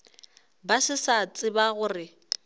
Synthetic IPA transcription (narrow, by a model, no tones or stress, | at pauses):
basɪsat͡sʼɪbaɣʊrɪ